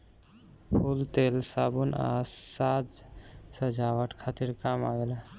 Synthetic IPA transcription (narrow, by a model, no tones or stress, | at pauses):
pʰult̪elsabuna̰ssad͡ʒsəd͡ʒaʋəʈkʰat̪iɾkama̰ɡela